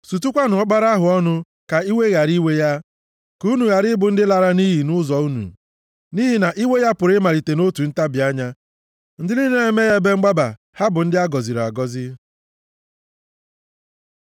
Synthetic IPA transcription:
su˨t̬u˦kʷa˦nʊ˨ɔ˦k͡pa˦ɾa˦ɦʊ˨ɔ˦nʊ˦ | ka˨i˦we˦ɣa˨ɾi˦we˦ja˦ | ku˦nu˨ɣa˨ɾɪ˦bʊ˨n̩˦dɪ˦la˨ɾa˦ni˦ɦi˨nʊ˦zɔ˨u˦nṵ˨ | ni˦ɦi˨na˨ʔi˦we˦ja˦pʊ˨ɾɪ˦ma˨ɾi˨te˨no˦tu˨n̩˦ta˦bɪ˨a˦ɲa˦ | n̩˦dɪ˦li˦ne˦e˦me˦ɣa˦be˦ŋ͡m̩˦ɡ͡ba˦ba̰˨ | ha˦bʊ˨n̩˦dɪ˦a˦ɡɔ˨zi˨ɾa̰˨ɡɔ˦zɪ˦

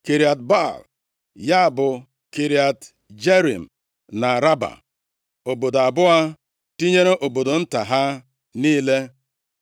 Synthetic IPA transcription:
ke˨ɾi˨a˨t̚ba˦˨l | ja˦˨bʊ˨ | ke˨ɾi˨a˨t | d͡ʒe˦ɾḭ˨m̩˨ | na˨ɾa˦ba̰˨ | o˨bo˨do˨a˨bʊ˦a˦ | ti˦ɲe˦ɾe˦ʔo˨bo˨do˨n̩˦ta˨ɦa˦ | niː˦le˦

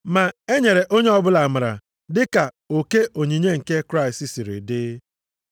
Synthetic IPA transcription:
ma˨e˦ɲe˨ɾe˨ʔo˦ɲe˦ɔ˦bʊ˦la˨ma˨ɾa̰˨ | dɪ˦ka˨ | o˨ke˦ʔo˨ɲi˨ɲe˦ŋ̩˨ke˦kɾa˦˨ɪ˨sti˦si˨ɾɪ̰˨dɪ˦

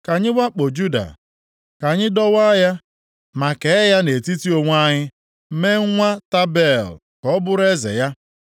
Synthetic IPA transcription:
ka˨ɲɪ˦wʷa˦k͡po˨d͡ʒu˦da̰˨ | ka˨ɲɪ˦dɔ˦wa˦ja˦ | ma˨ke˨˦ja˦ne˨ti˦ti˦o˨ŋʷ˦a˦ɲɪ˦ | me˦ŋ̩˦ŋʷa˦ta˦be˦˨l | kɔ˦bʊ˦ɾe˦zḛ˨ja˦

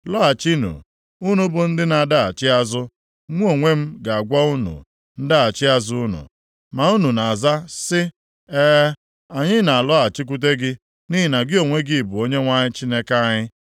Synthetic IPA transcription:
lɔ˦a˨t͡ʃi˦nṵ˨ | u˦nu˦bʊ˨n̩˦dɪ˦na˨da˦a˨t͡ʃɪ˦a˦zʊ˦ | ŋʷ˦o˨ŋʷe˦m̩˦ɡa˨a˨ɡʷa˦u˦nṵ˨ | n̩˦da˦a˨t͡ʃɪ˦a˦zʊ˦nʊ̰˨ | ma˨u˦nu˨na˨a˨za˦sɪ˦ | eː˦ | a˨ɲɪ˦na˨a˨lɔ˦a˨t͡ʃɪ˦k̬u˦t̬e˦ɡɪ˦ | ni˦i˨na˨ɡɪ˦o˨ŋʷe˦ɡɪ˦˨bʊ˨o˦ɲe˦ŋʷa˦ɲɪ˦t͡ʃi˦ne˦ka˦ɲɪ˦

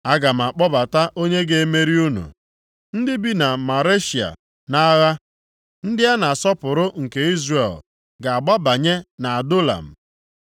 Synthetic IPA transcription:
a˦ɡa˨m̩˨a˨k͡pɔ˦ba˨ta˦ʔo˦ɲe˦ɡe˨e˦me˦ɾi˦u˦nṵ˨ | n̩˦dɪ˦bi˦na˨ma˨ɾe˦ʃi˨a̰˨ | na˦ɣa˦ | n̩˦dɪ˦a˦na˨sɔ˦pʊ˨ɾʊ˦ŋ̩˨ke˨i˦zre˨l | ɡa˨a˨ɡ͡ba˦ba˨ɲe˦na˨a˨do˦la̰˨m̩˨

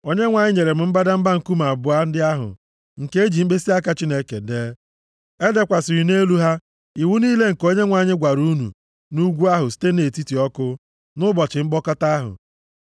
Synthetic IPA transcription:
o˦ɲe˦ŋʷa˨ɲɪ˦ɲe˨ɾe˨m̩˨˦m̩˦ba˦da˦m̩˦ba˦ŋ̩˨ku˦ma˨bʊ˨˦a˦n̩˦dɪ˦a˦ɦʊ̰˨ | ŋ̩˨ke˦e˦d͡ʒi˨m̩˦ɡ͡be˦si˦a˦ka˦t͡ʃi˦ne˦ke˨deː˦ | e˦de˦kʷa˨sɪ˨ɾi˨ne˦lu˦ɦa˦ | i˨wu˦niː˦le˦ŋ̩˨ko˦ɲe˦ŋʷa˨ɲɪ˦ɡʷa˨ɾu˦nṵ˨ | nu˦ɡʷu˦a˦ɦʊ˨si̥˦te˦ne˨ti˦ti˨ɔ˦kʊ˦ | nʊ˦bɔ˨t͡ʃɪ˨m̩˦ɡ͡bɔ˦ka˦ta˦ɦʊ̰˨

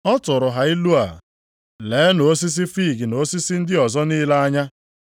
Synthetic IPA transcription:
ɔ˦tʊ˨ɾʊ˨ɦa˨i˦lu˦a˨ | leː˨˦no˨˦s̬i˦s̬i˦fi˦˨ɡɪ˨no˨˦si˦si˦n̩˦dɪ˦ɔ˨zɔ˦ni˦la˦a˦ɲa˦

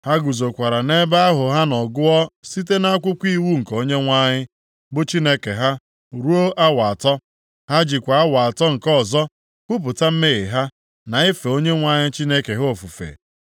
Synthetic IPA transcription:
ha˦ɡu˨zo˨kʷa˨ɾa˨ne˦ba˦a˦ɦʊ˨ɦa˦nɔ˨ɡʊ˦ɔ˦si˦te˦na˦a˦kʷʊ˦kʷi˦wu˦ŋ̩˨ko˦ɲe˦ŋʷa˦ɲɪ˦ | bʊ˦t͡ʃi˦ne˦ke˨ɦa˦ | ɾu˦o˦a˦wa˨tɔ˦ | ha˦d͡ʒɪ˨kʷa˨a˦wa˨a˨tɔ˦ŋ̩˨kɔ˦˨zɔ˦ | kʷʊ˦p̬ʊ˨ta˦m̩˦me˦ɣɪ˨ɦa˦ | na˨ɪ˦fe˨o˦ɲe˦ŋʷa˦ɲɪ˦t͡ʃi˦ne˦ke˨ɦo˨fu˨fḛ˨

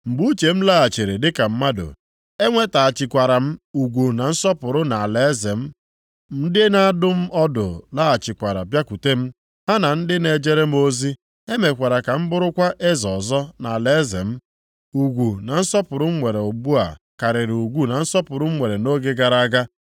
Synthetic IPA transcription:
m̩˨bu˦t͡ʃe˨m̩˦la˦a˨t͡ʃe˨ɾe˨dɪ˦ka˨m̩˦ma˦dʊ̰˨ | e˦ŋʷe˦ta˨a˨t͡ʃɪ˨kʷa˨ɾa˨m̩˦u˨ɡʷu˨na˨n̩˦sɔ˦pʊ˨ɾʊ˦na˨a˨le˨˦ze˨m̩˦ | m̩˦dɪ˦na˦a˦dʊ˦m̩˦ʔɔ˦dʊ̰˨la˦a˨t͡ʃɪ˨kʷa˨ɾa̰˨bja˦kʷu˨te˦m̩˦ | ɦa˦na˨n̩˦dɪ˦ne˨d͡ʒe˦ɾe˦m̩˦o˦zi˦ | e˦me˨kʷa˨ɾa˨ka˨m̩˦bʊ˦ɾʊ˦kʷa˦ʔe˦zɔ˨zɔ˦na˨a˨le˦zḛ˨m̩˦ | u˨ɡʷu˨na˨n̩˦sɔ˦pʊ˨ɾʊ˦m̩˦ŋʷe˨ɾe˨o˨bu˦a̰˨ | ka˨ɾɪ˨ɾu˨ɡʷu˦na˨n̩˦sɔ˦pʊ˨ɾʊ˦m̩˦ŋʷe˨ɾe˨no˦ɡe˦ɡa˨ɾa˦a˦ɡa˦

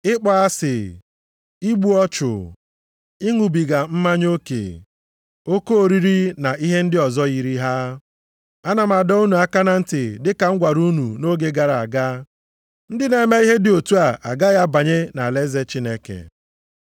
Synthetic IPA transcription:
ɪ˦k͡pɔ˦a˦sɪ˨ | i˦ɡ͡bu˦ɔ˦t͡ʃʊ̰˨ | i˦ŋu˨bi˨ɡa˨m̩˦ma˦ɲ˦o˦kḛ˨ | o˦ko˦o˨ɾi˦ɾi˦na˨i˦ɦe˦n̩˦dɪ˦ɔ˨zɔ˦ɣi˨ɾi˦ɦa˦ | a˦na˨ma˨dɔ˦u˦nu˨a˦ka˦na˨n̩˦tɪ˨dɪ˦ka˨ŋ̩˦ɡʷa˨ɾu˦nu˨no˦ɡe˦ɡa˨ɾa˨a˨ɡa˦ | n̩˦dɪ˦ne˨˦me˦i˦ɦe˦dɪ˨o˨tu˦a˨ʔa˨ɡa˦ɣa˦ba˨ɲe˦na˨le˦ze˦t͡ʃi˦ne˦kḛ˨

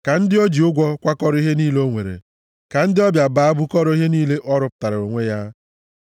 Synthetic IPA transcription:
ka˨n̩˦dɪ˦o˦d͡ʒi˨ʊ˦ɡʷɔ˦kʷa˦kɔ˦ɾi˦ɦe˦niː˦lo˦ŋʷḛ˨ɾḛ˨ | ka˨n̩˦dɪ˦ɔ˦bja˨ba˨˦a˦bʊ˦kɔ˦ɾɔ˦i˦ɦe˦niː˦le˦ʔɔ˦ɾʊ˦p̚ta˨ɾa˨o˨ŋʷe˦ja˦

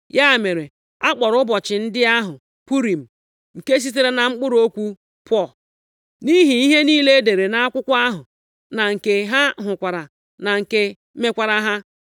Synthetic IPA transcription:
ja˦˨me˨ɾe˨ | a˦k͡pɔ˨ɾʊ˦bɔ˨t͡ʃɪ˨n̩˦dɪ˦a˦ɦʊ˨ | pu˦ɾi˨m̩˨ | ŋ̩˨ke˦s̬i˦t̬e˦ɾe˦na˨ŋ͡m̩˦k͡pʊ˦ɾo˦kʷu˦ | pʰʷɔ˦˨ | ni˦ɦi˨i˦ɦe˦niː˦le˦de˨ɾe˨na˨a˦kʷʊ˦kʷa˦ɦʊ˨ | na˨ŋ̩˨ke˨ɦa˦ɦʊ˨kʷa˨ɾa˨ | na˨ŋ̩˨ke˦ | me˦kʷa˦ɾa˦ɦa˦

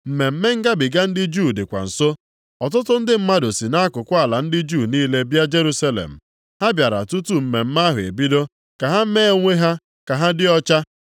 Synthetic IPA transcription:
m̩˨me˨m̩˦me˦ŋ̩˦ɡa˦bɪ˨ɡa˦n̩˦dɪ˦d͡ʒu˦˨dɪ˨kʷa̰˨n̩˨so˦ | ɔ˨t̬ʊ˦tʊ˦n̩˦dɪ˦m̩˦ma˦do˨si˨na˦a˦kʊ˨kʷʊ˦a˨la˨n̩˦dɪ˦d͡ʒuː˦˨niː˦le˦bja˦d͡ʒe˦ɾu˦sa˦lḛ˨m̩˨ | ha˦bja˨ɾa̰˨tu˦tu˦m̩˨me˨m̩˦ma˦ɦʊ˨ḛ˨bi˦do˦ | ka˨ɦa˦me˦ŋʷe˦ɦa˦ | ka˨ɦa˦dɪ˦ɔ˦t͡ʃa˦

